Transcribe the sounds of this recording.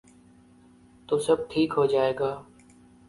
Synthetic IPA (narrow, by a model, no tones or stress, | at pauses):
t̪oːsəb̚ʈʰiːkɦoːd͡ʒaːeːɡaː